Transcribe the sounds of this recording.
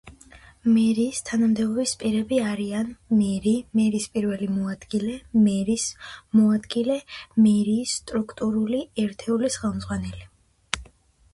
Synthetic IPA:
mɛɾiːst̪ʰanamd̪ɛbɔbispʼiɾɛbiaɾianmɛɾimɛɾiːspʼiɾvɛlimɔad̪̥ɡilɛmɛɾismɔad̪ɡilɛmɛɾiːsːt̪ʼɾukʰt̪ʼuɾuliɛɾt̪ʰɛulisχɛlˠmzʁwanɛli

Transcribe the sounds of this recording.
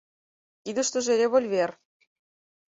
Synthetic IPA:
kid̪ə̆ʃt̪ɤ̆ʒeɾʲeβolʲβʲer

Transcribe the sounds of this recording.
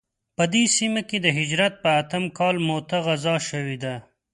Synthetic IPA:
pəd̪esimaked̪əɦɪd͡ʒɾat̪̚pəat̪əmkɑlmot̪aɣazɑʃəwed̪a

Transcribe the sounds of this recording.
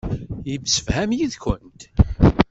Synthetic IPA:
jivsə̥fhæmjiðkənt̪

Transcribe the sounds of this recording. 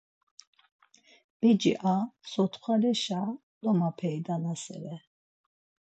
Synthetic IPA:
b̥ɛd͡ʒḭʔasɔt̪ʰχʰalɛʃa | d̪ɔmapʰɛjd̪anasɛ̰ɾɛ

